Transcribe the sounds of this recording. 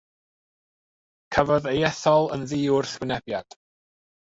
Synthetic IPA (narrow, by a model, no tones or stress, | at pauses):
kʰəvɔðejɛθɔlˠə̰nðiːʊrθwɪnɛbjad̥